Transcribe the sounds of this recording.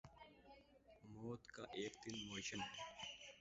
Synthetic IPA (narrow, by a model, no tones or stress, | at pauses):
moːt̪kaʔeːkt̪inmoːɕɐn